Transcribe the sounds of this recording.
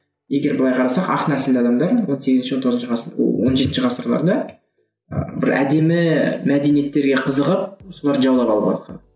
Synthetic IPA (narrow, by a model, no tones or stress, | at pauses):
je̞ɡʲe̞ɾbʊlˠɑjqʰɑɾɑsɑqɑ̰qnæsɪld̪ɑd̪ɑmd̪ɑɾwo̞nseɡʲɪznʃwo̞nt̪oʁznʃwonʒe̞t̪ɪnʃəʁɑsəɾlˠɑ̰ɾd̪ɑ̰ | bɪɾæ̰d̪e̞mɪmæd̪e̞nije̞t̪ːe̞ɾɡʲe̞qʰəzəʁəp̚so̞lˠɑɾʒɑwd̪ˠɑpɑlˠəbɑ̰lˠɑ̰t̪qɑ̰n